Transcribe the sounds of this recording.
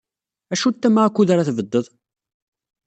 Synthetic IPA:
æʃut̪ːæmakʷːuðaɾaθvəd̪ːəðˤ

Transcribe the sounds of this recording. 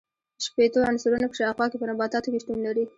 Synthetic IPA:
ʃpet̪oansuɾunakə̥ʃɑxwɑkepənabɑt̪ɑt̪okeʃt̪unlaɾi

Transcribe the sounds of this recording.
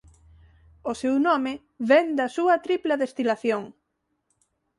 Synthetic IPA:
osewnɔme | βend̪ɐsuɐt̪ɾiplaðest̪ilaθjoŋ

